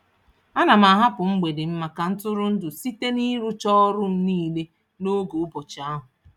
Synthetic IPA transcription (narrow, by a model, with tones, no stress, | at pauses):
a˦na˨ma˨ɦa˦pʊ˨ŋ͡m̩˦ɡ͡be˨dɪ˨m̩˦ma˨ka˨n̩˦tʊ˦ɾʊ˦n̩˦dʊ˨si˦te˦ni˦ɾu˦t͡ʃɔ˦ɔ˦ɾʊ˦m̩˦niː˦˨le˦ | no˦ɡo˨˦bɔ˨t͡ʃa˦ɦʊ˨